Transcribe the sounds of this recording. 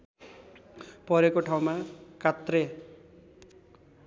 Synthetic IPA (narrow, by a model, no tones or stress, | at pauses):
pʌɾekoʈʰaw̃makat̪re